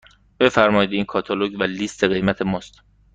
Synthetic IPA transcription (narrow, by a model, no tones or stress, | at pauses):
b̥e̞fæɾmɒːjid̪iːnkʰɒːt̪ʰɒloɟvæliːst̪ʰeɣe̞jmæt̪ʰe̞mɒːst̪